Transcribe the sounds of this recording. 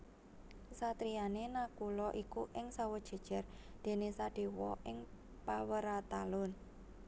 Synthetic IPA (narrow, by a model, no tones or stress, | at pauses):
sat̪ɾianenakulɔʔikuʔɪŋsawə̥ʒ̥a̤d̥ʒ̥a̤rd̪̥e̤nesaɖ̥e̤wɔ̰ʔɪŋ | pawəɾat̪alʊn